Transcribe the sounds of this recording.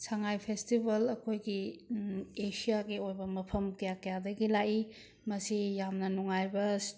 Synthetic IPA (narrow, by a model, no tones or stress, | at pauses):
sʰaŋajpʰestibɐlɐkʰojɡi | esijaɡiojbɐmɐpʰɐmkɐjakɐjadɐɡilai | mɐsijamnɐnuŋajbɐs